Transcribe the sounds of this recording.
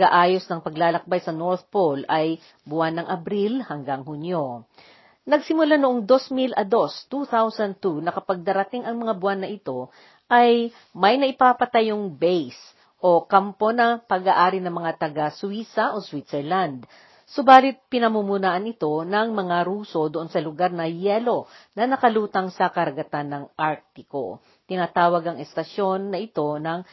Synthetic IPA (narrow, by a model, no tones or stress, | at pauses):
aʔaːjo̞snɐŋpɐɡlaːlɐk̚bajsɐno̞ɹt̪polʔɐj | bʊanːɐŋʔɐbɾilhɐŋɡaŋhunjo̞ | nɐɡsɪmʊlanʊʔoŋd̪o̞smilʔɐd̪o̞st̪uθawsɐn̚t̪unɐkɐpɐɡ̚d̪ɐɾɐt̪iŋɐŋmɐŋabʊanːɐʔɪt̪o̞ | ʔɐj | mɐjnɐʔɪpaːpɐt̪ɐjoŋbɛjs | ʔo̞kɐmpo̞nɐpɐɡaːʔaːɾɪnɐŋmɐŋat̪ɐɡaswisɐʔoswit̪sɛɹland̪̚ | sobaːlɪt̪̚pɪnɐmumunaːʔɐnɪt̪o̞nɐŋmɐŋaɾuːso̞d̪oʔo̞nsɐlʊɡaɾnɐjɛlo̞nɐnɐkɐluːt̪ɐŋsɐkɐɾɐɡɐt̪anːɐŋʔaɾk̚t̪ɪko̰ | t̪ɪnaːt̪aːwɐɡɐŋɛst̪ɐʃjo̞nːɐʔɪt̪o̞nɐŋ